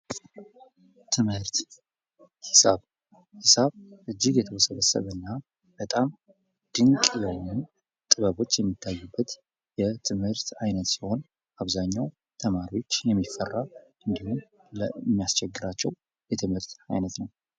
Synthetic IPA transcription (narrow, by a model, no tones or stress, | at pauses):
t̪ʰɨmhɨɾt̪ | hɨsaβ | hɨsaβʔɨd͡ʒːɪɡjɛt̪ʰəwɔsəβəsːə̰βənːa | b̥ət̪ʼam | d̪̥ɨŋkʼjɛwnu | t̪ʼɨβəβo̞t͡ʃːjɛmːit̪ʰːajːubːət̪ | jɛt̪ʰɨmhɨɾt̪ajnət̪siho̞n | ʔaβzaɲːaw | t̪ʰəmaɾiwo̞t͡ʃːjɛmːifːərːa | ɨnd̪ihun | ləmːijast͡ʃʰɛɡːɨɾat͡ʃːɛw | jɛt̪ʰɨmhɨɾt̪a̰jnət̪nəw